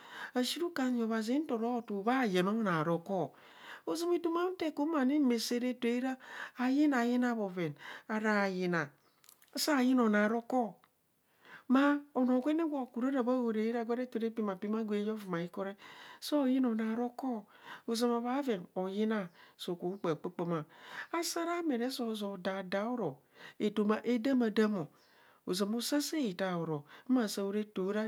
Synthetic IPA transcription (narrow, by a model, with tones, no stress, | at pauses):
a˨ʃi˦ɾu˦ka˨n˦o˨βa˨zi˦n̩˦to˨ɾo˦˨tu˨βa˦˨je˨no˦na˨ɾo˨kɔ˦ | o˨zo˦mi˨tu˦ma˦n̩˦te˦˨ko˦ma˨ni˦me˨se˦ɾe˦te˨i˦ɾaː˦˨ji˦na˨ji˦na˦˨βo˨ve˨na˨ɾa˨ji˨na˨˦ | sa˦˨ji˦no˨na˨ɾo˦kɔ˦ | ma˦o˨no˨ɡʷe˦ne˦ɡʷa˦˨ku˨ɾo˦ɾa˨βa˦wo˨ɾe˨i˦ɾa˦˨ɡʷa˦ɾe˦to˨ɾe˦pi˦ma˨pi˦ma˦ɡʷe˨˦jo˦vu˨ma˨i˦ko˦ɾe˦sɔ˦˨ji˦nɔ˨na˨˦ɾɔ˦kɔ˦o˨ze˨ma˨ba˨˦ve˨nɔ˨ji˦na˦˨so˨ko˨u˦k͡pe˨k͡pe˦k͡pe˦mã˨a˦sa˦ɾa˦me˨ɾɛ˦sɔ˦˨zɔ˨da˨da˨˦wo˦ɾɔ˨ | e˨to˨ma˨ʔe˦da˦ma˨da˦mɔ˨ | o˨ze˨mo˦sa˦se˦ji˨ta˨wo˨ɾɔ˨˦ma˨sa˦wo˦ɾe˦to˨˦ɾa˦